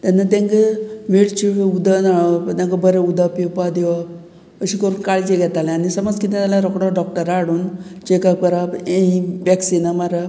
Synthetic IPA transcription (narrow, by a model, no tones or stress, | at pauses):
t̪anːat̪ẽŋkəmeɭt͡ɕiud̪ənaɭt̪ãŋkəbəɾeud̪apipad̪eʋa | əɕikəɾuːnkaɭit͡ɕeɡʱɛt̪alɛ̃anisəməd͡zkit̪et̪alãɾɔkɽɔɖɔk̚ʈəɾaɽuːnt͡ɕekakpəɾapẽiʋɛksinamaɾa